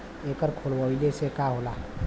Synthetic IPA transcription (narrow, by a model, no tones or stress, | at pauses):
ekəɾkʰoːlʋəilesekaɦola